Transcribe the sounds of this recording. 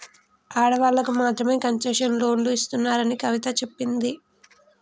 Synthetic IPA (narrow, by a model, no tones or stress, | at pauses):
aːɽɐʋaːlːɐkumaːt̪ɾɐme̞ːkɐɲt͡ʃɐːʂɐnlo̞ːnluist̪unːaːɾɐnikɐʋit̪ɐt͡ʃe̞pːind̪i